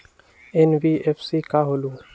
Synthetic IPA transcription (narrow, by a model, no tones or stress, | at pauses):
ɛnʋiepʰsikaɦoːlu